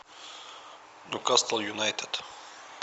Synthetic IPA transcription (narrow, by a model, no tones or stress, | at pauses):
nukast̪əlˠjunajt̪ʰed̪̥